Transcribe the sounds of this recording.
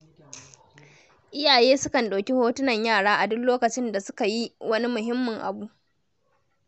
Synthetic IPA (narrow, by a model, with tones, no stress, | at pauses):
ʔɪ˦jaː˨jeː˦sʊ˦kɐ˨nɗaː˨kʲi˦hoː˦tʊ˦nɐ˨ɲjaː˦˨ɽaː˦ʔa˨dʊ˦loː˦kɐ˨t͡ʃɪ˦nda˨sʊ˦ka˨ji˦wɐ˦ni˦mʊ˨ɦɪ˦mːʊ˨ŋʔa̰˨buː˦ʔ